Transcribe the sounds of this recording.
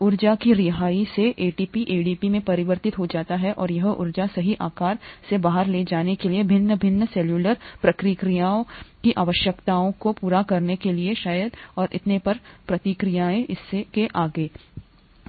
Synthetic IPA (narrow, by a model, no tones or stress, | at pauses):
ʊɾd͡ʒakiɾɪɦaːiseʔeːɖiːpiʔeːɖiːpimẽpɐɾɪʋəɾt̪ɪt̪ɦod͡ʒaːt̪aɦɛʔɔːɾjɐɦʔʊ̰ɾd͡ʒasɐɦiʔaːkaːɾsebaːɦəɾled͡ʒaːnekeliebʱɪnːəbʱɪnːəsɛːljuːləɾpɾɐkɾɪkɾijaːõkiʔaːʋəʃjəkt̪aːõkopuːɾakɐɾnekelieʃaːjəd̪ɔːɾʔɪ̰t̪nepɐɾpɾɐt̪ɪkɾijaẽʔɪsːekeʔaːɡeː